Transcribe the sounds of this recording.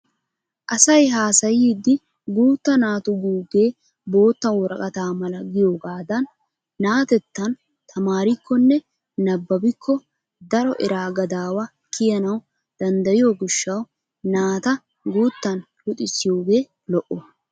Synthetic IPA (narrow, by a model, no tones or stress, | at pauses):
ʔɐsɐjɦaːsɐjiːd̪ːɪ | ɡuːt̪ːɐnaːt̪ʊɡuːɡe̞ː | bo̞ːt̪ːɐwɔɾɐkʼɐt̪aːmɐlɐɡɪjo̞ːɡaːd̪ɐnː | aːt̪ɛt̪ːɐn | t̪ʰɐmaːɾɪkːɔnːɛ | nɐbːɐbɪkʰːɔ | d̪ɐɾɔʔɛɾaːɡɐd̪aːwɐ | kɪjɐnɐw | d̪̥ɐnd̪ɐjɪjoːɡʊʃːɐw | naːt̪ɐ | ɡuːt̪ːɐnlʊt̪ʼɪsɪjo̞ːɡe̞ː | lɔʔɔ